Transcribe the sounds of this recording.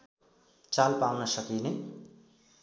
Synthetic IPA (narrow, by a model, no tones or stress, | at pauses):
t͡salpawnʌsʌkine